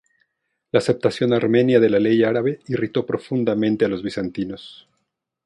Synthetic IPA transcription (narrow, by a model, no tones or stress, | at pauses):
laːse̞p̚t̪asjo̞naɾme̞njaðe̞lale̞jaɾaβe̞irit̪o̞pɾo̞fund̪amẽnt̪ealo̞zβisant̪ino̞s